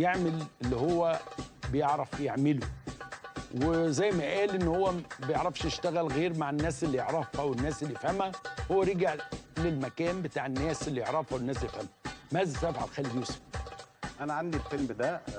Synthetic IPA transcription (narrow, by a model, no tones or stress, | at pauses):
jeʕmelelːihowːæbɪjeʕɾˤɑfjeʕmɪlu | wezæjːmæʔæːlʔɪnːhowːæbejeʕɾˤɑfʃnɪʃt̪æɣælɣeːɾmaʕɪnːæːsɪlːijeʕɾˤɑfhæwɪnːæːsɪlːifhæmhæhowːæɾeɡaʕlɪlmækæːmbɪt̪aːʕɪnːæːselːijoʕɾˤɑfæwɪnːæːslːefhæmæmæzæsʔæfʕa̰lxæːlid̪juːsfʔænæʕand̪ilfelmd̪æ